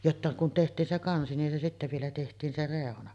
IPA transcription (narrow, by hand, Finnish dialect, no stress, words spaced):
jotːɑ kun tehtˑiːn se kɑnsi nin se sitːæ ʋielæ tehtˑiːn se reˑonɑ